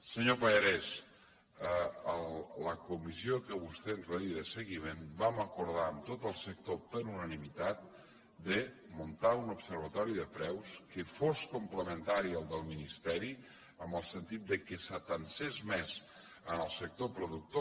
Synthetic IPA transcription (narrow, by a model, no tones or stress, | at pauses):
səɲopəʎəɾɛs | əəlləkumiziokəβust̪enrəiðəsəɣimenbaməkuɾðaəmt̪ot̪əlˠsək̚t̪opəɾunənimit̪at̪̚ | d̪ə | munt̪aunupsəɾβ̞ət̪ɔɾiðəpɾɛwskəfoskumpləmənt̪aɾiəlˠd̪əlˠminist̪ɛɾi | əmbəlˠsənt̪it̪̚d̪əkəsət̪ənsezmɛz | ənəlˠsək̚t̪opɾuðuk̚t̪o